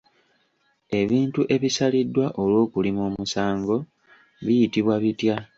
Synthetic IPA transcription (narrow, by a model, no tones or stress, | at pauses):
e̞βiːntuʔe̞βisalidːwaʔo̞lwo̞ːkulimumusaːŋɡo̞ | βijitiβwaβitja